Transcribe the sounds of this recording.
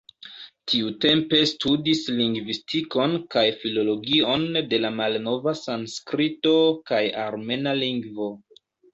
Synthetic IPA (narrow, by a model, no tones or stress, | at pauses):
tʰiute̞mpe̞studisliŋɡvistiko̞nkajfilo̞lo̞ɡio̞nde̞lamalno̞vasanskɾito̞kajaɾme̞naliŋɡvo̞